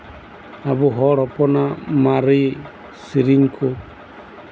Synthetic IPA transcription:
aβuɦɔɺɔpʼɔnamaɾi | siɾiŋkʰu

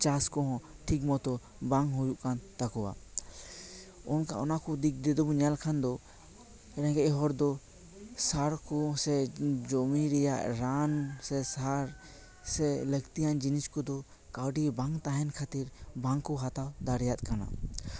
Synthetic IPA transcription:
t͡ʃaskɔɦɔ̃ʈʰikmɔt̪ɔ | baŋɦujuʔkant̪akɔwa̰ | ɔnka̰ʔɔnakɔd̪ik̚d̪ɛd̪ɔbɔɲalkʰand̪ɔ | ɾɛ̃ŋɡɛʔɦɔɾd̪ɔ | saɾkɔsɛd͡ʒɔmiɾɛja̰ʔɾansɛsaɾ | sɛləɡt̪ijand͡ʒiniskɔd̪ɔ | kawɖibaŋt̪aɦɛnkʰat̪iɾbaŋkɔɦat̪awd̪aɾɛjat̪̚ˀkana̰

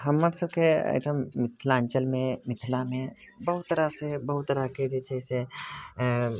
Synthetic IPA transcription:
ɦəmːəɾsəb̚keə̰ɪʈʰəmɪt̪ʰlãnt͡ʃəlmẽmɪt̪ʰlamẽ | bəɦut̪ːəɾasebəɦut̪ːəɾaked͡ʒet͡ʃəse

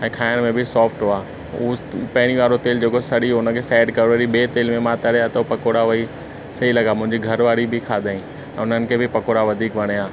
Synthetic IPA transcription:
ɛ̃ːkʰaːɪəɽ̃mẽbʱɪsɔːfʈɦoaː | upɐɦɪɽ̃iʋaːɾot̪eːld͡ʑeːkosɐɗiɦʊnə̆kʰeːsɛːɖkɐɾʋəːɾibeːt̪eːlmẽmãːt̪ɐɽejaːt̪ɐpɐkoːɽaʋɐi | sɐɦilɐɡaːmʊ̃ɦɪ̃ɲd͡ʑiɡʱɐɾʋaːɾibɪkʰaːd̪ʱaːĩ | ɛ̃ːʊnənɪ̆kʰeːbʱɪpɐkoːɽaʋɐd̪ʱiːkʋɐɽ̃ijaː

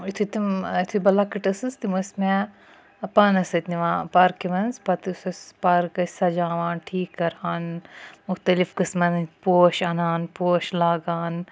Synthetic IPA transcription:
it̪ʰut̪imit̪ʰubɐlakiʈɐsɨst̪imɐsmɛ | ɐpɐnɐsɐt̪niʋãːpaːɾkiʋɐnzpɐt̪sɐspaɾkɐsad͡ʒãːʋãːnʈʰiːkːɐɾaːnmʊxt̪ɐlifkɨsmɐnpoːʃɐnaːnpoːʃlaːɡaːn

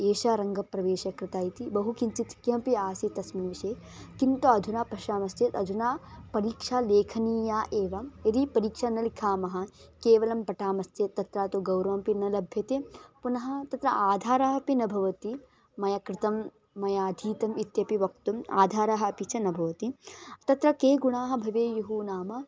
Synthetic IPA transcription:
eːʃaɾɐŋɡɐpɾɐʋeːʃɐkɾɪt̪aːjt̪ibɐɦukint͡ʃit̪kjɐmpiaːsit̪ɐsminʋiʃeː | kint̪oɐd̪ʱunaːpɐʃaːmɐst̪jet̪ɐd̪ʱunaːpɐɾiːkʂaːleːkʰɐniːjaːʔeːʋɐɐɾipɐɾiːkʂanɐlikʰaːmɐɦɐ̆keːʋɐlɐmpɐʈaːmɐst̪jet̪ːɐt̪ɾaːt̪uɡɐwɾɐʋɐmpinɐlɐbʱjɐt̪epunɐɦɐ̆t̪ɐt̪ɾɐʔaːd̪ʱaːɾaːɦɐpinɐbʱɐʋɐt̪i | mɐjɐkɾɪt̪ɐmː | ɐjaːd̪ʱiːt̪ɐmit̪jɐpiʋɐk̚t̪uma̰ːd̪ʱaːɾaːɦɐɐpit͡ʃʰɐnɐbʱɐʋɐt̪it̪ɐt̪ɾɐkeːɡuɳaːɦɐ̆bʱɐʋeːjuɦuːnaːmɐ

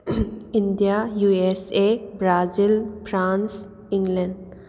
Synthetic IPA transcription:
inɖijajuesebɾazilpʰɾãns | ĩŋɡlɛ̃ɳɖ

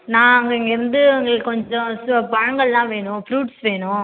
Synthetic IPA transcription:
nãːɐŋɡɐɪŋɡɐɪɾɯnd̪ɯŋɡɐɭkɔɲd͡ʒɔ̃pɐɻɐŋɡɐɭlãːʋeːɳʊ̃fɾuːʈsʋeːɳʊ̃

